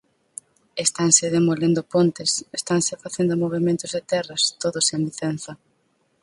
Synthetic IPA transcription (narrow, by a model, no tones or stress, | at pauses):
est̪aŋsɪðemolend̪ʊpont̪esest̪aŋsɪfaθend̪ʊmoβ̞emẽnt̪ʊzðet̪ɛrɐst̪oðʊsẽŋliθen̟θɐ